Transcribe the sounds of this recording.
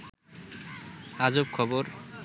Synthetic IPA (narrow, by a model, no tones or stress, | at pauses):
ad͡ʑop̚kʰɔboɾ